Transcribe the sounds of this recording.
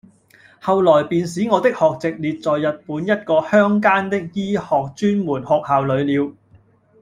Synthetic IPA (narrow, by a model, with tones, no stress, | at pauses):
hɐ˨wlɔː˨˩jpiː˨˧nsiː˨˥ŋɔː˨˧t̪ɪ˥k̚hɔː˨k̚t͡sɪ˨k̚liː˨t̚t͡sɔː˨jːɐ˨t̚puː˨˥njɐ˥t̚kɔː˧hœː˥ŋkaː˥nt̪ɪ˥k̚jiː˥hɔː˨k̚t͡ʃyː˥nmuː˨˩nhɔː˨k̚haː˨wlɵ˨˧ɥliː˨˧w